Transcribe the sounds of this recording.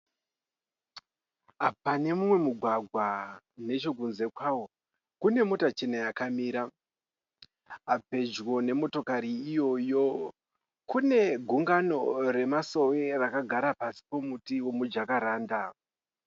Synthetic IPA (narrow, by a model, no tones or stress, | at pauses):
apane̞mumwe̞muɡʱwaɡʱwa | ne̞t͡ʃo̞kunze̞kwawo̞ | kune̞mo̞tat͡ʃe̞najakamiːɾa | ape̞d͡ʒwo̞ne̞mo̞to̞kaɾiːjo̞jo̞ | kune̞ɡʱuŋɡano̞re̞maso̞werakaɡʱaɾapasi̥po̞mutiwo̞mud͡ʒakaɾaːnda